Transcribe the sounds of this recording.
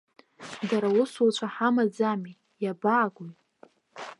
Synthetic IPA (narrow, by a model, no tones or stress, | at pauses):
daɾawʊsut͡ʃʷʰaħamad͡zami | jabaːɡʷuj